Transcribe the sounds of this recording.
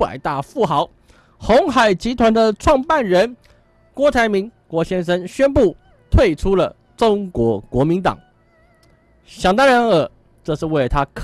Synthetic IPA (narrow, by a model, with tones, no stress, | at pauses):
a̰˨˩ɪt̪a˥˧fu˥˩xɑ˧˥ʊ | xo˧˥ŋxa˨˩ɪt͡ɕi˧˥t̪ʰwa˧˥nd̪ə˧ʈ͡ʂʰwɑ˥˧ŋpa˥˩nɻə˧˥n | kwɔ˧˥t̪ʰa˧˥ɪmi˧˥ŋkwɔ˧˥ɕjɛ˥nʂə˥nɕɥɛ˥npu˥˩ | t̪ʰwe˥˩ɪʈ͡ʂʰu˥lə˨ | ʈ͡ʂo˥ŋkwɔ˧˥kwɔ˧˥mi˧˥nt̪ɑ̰˨˩˦ŋ | ɕjɑ˨˩ŋt̪a˥ɻə˧˥nə˨˩ | ʈ͡ʂɤ˥˧ʂɻ̩˥˧we˥˩ɪət̪ʰa˥kʰ